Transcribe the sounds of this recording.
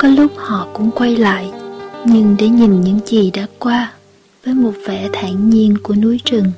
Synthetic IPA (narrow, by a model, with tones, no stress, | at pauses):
kɔ˨˦lʊ˦˥k͡p̚hɔ̰˧˨kʊ̰˧˥ŋ͡mkwa˧jla̰ː˧˨jʔɲɨ˧ŋɗe˧˩ɲi˨˩nɲɨ̰˧˥ŋzi˨˩ɗa̰ː˧˥kwaː˧ | vəː˨˦jmo˨˩t̚vɛ˧˩t̪ʰaː˧˩ŋɲi˧ənku˧˩ənu˨˦jt͡ɕɨ˨˩əŋ